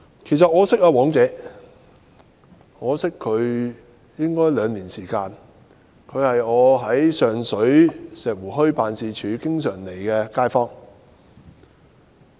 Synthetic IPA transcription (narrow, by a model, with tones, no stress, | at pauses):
kʰe˨˩js̬ɐ˨t̚ŋɔː˨˧sɪ˥k̚aː˧wɔː˨˥ŋt͡sɛː˨˧ | ŋɔː˨˧sɪ˥kʰːɵ˨˧ɥ | jɪ˥ŋkɔː˥jlœː˨˧ŋliː˨˩nsiː˨˩kaː˧n | kʰɵ˨˧ɥhɐ˨jɔː˨˧ɦɐ˨˥jsœː˨ŋsɵ˨˥ɥsɛː˨k̚wuː˨˩ɦɵ˥ɥpaː˨nsiː˨˧t͡ʃʰyː˨˧kɪ˥ŋsœː˨˩ŋle˨˩jkɛː˧kaː˥jfɔː˥ŋ